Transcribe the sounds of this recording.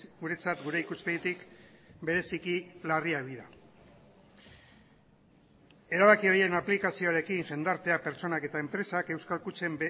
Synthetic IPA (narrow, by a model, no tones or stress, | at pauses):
ɡuɾe̞t͡sat̪ɡuɾe̞ikuspeðet̪ikbe̞ɾe̞sikilariakðiɾa | e̞ɾaβakio̞ɾie̞naplikasio̞aɾe̞kiŋʝe̞nd̪aɾt̪e̞ape̞ɾt͡so̞nake̞t̪ae̞mpɾe̞sake̞wskalkut͡se̞mb